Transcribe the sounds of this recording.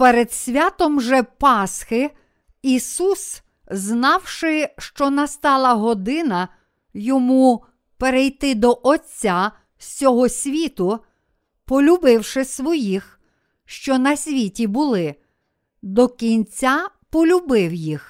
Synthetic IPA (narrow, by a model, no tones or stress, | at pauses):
peɾed̪sʲʋʲat̪ɔmʒɛpɑsxɪ | isus | znɑwʃɪʃt͡ʃɔnɐst̪ɑlˠɐɦɔd̪ɪnɐ | jɔmu | peɾejt̪ɪd̪ɔʔɔt͡sʲːa | sʲɔɦɔsʲʋʲit̪ʊ | pɔlʲʊbɪwʃɪsʋɔjix | ʃt͡ʃɔnɐsʲʋʲitʲibʊlˠɪ | d̪ɔkʲinʲt͡sʲapɔlʲʊbɪwjix